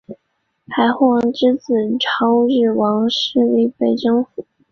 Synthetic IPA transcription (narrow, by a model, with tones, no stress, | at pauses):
pʰa˧˥ɪxwɑ˥˧˩ŋʈ͡ʂɻ̩˥t͡sɹ̩˨˩ʈ͡ʂʰɑ˥ʊɻɻ̩˥˩wɑ˧˥ŋʂɻ̩˥˧li˥˩pe˨˩ɪʈ͡ʂɤ˥ŋfu˨˩˦